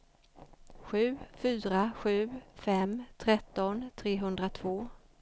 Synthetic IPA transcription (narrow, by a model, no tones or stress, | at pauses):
ɧʉ̟ːfyːɾaɧʉ̟ːfɛmt̪ʰɾɛt̪ːɔnt̪ʰɾeːɦɵnd̪ɾat̪ʰvoː